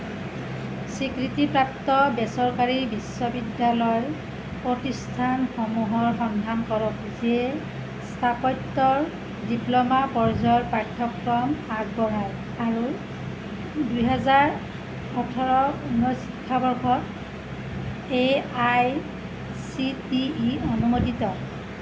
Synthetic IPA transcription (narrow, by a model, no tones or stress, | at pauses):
sikɹitipɹaptɔbɛsɔɹkaɹibisɔbidːalɔjɔ | pɹotistʰanxɔmuɦɔɹxɔndʱankɔɹɔk | ziɛ | stʰapɔjtːɔɹ | diplɔmapɔɹzɔɹpɹatʰːɔkɹɔmaɡ̚bɔɦaj | aɹu | dujɦɛzaɹ | xɔtʰɔɹɔunːɔsikʰːabɔɹkʰɔt | eaj | sitiːɔnumotitɔ